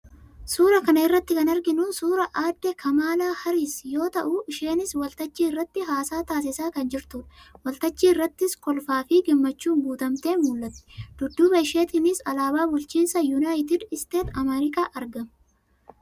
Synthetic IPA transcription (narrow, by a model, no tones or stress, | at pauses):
suːɾɐkɐnɐɪrːɐt̪ːɪkɐnɐɾɡɪnuːnsuːɾɐʔaːd̪ːekʰɐmaːlaːhɐɾiːsjo̞ːt̪ɐʔuʔɪʃe̞ːnɪswɐlt̪ɐt͡ʃːiːɪrːɐt̪ːɪɦaːsaːt̪aːs̬ɪsaːkɐnd͡ʒɪɾt̪ʊᶑɐwɐlt̪ɐt͡ʃːiːrːɐt̪ːɪskɔlfaːfɪɡɪmːɐt͡ʃːuːŋɡuːt̪ɐmt̪e̞ːnmuːlːɐt̪ːɛ̥d̪̥ʊd̪ːuːbɐʃe̞ːt̪iːnɪsɐlaːbaːbʊlt͡ʃiːnsɐjunaːjɪt̪ɪd̪ɪst̪e̞ːt̪ɐmɛɾɪkʼaːʔɐɾɡɐm